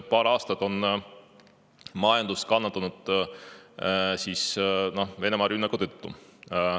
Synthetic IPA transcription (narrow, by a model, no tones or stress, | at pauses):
pɑːɾɑːst̪ɑt̪o̞n | mɑjɑnd̪̥ust̪kɑnːɑt̪ːˑɑnud̪̥ | siːsno̞hve̞ne̞mɑɾynːɑkut̪øt̪ːṵ